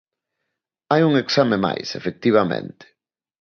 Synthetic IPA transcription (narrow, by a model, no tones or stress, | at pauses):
ajuŋeksamema̰jsefek̚t̪iβ̞amḛ̃nt̪ɪ̥